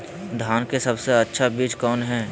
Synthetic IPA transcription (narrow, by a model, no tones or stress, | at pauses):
d̪ʱaːnkesɐbseɐtːʃʰabiːt͡ʃkɔːnɦɛː